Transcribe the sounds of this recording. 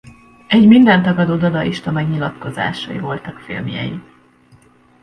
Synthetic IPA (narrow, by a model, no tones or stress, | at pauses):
ɛɟmind̪ɛnt̪ɒɡɒd̪oːd̪ɒd̪ɒʔiʃt̪ɒmɛɡɲilɒt̪ko̞za̰ːʃɒ̰ḭvo̞lt̪ɒkfilmjɛ̰jḭ